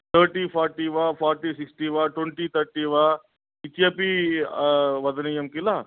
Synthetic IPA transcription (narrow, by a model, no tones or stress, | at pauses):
t̪ʰəɾʈifɔɾʈiʋafɔɾʈisiksʈiʋaʈweɳʈiːt̪ʰəɾʈiʋa | it̪iapi | ʋɐd̪nijəmkila